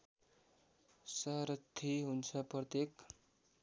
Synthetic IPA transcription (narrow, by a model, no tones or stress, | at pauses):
sʌɾʌt̪ʰːiɦunt͡sʰʌprʌt̪ek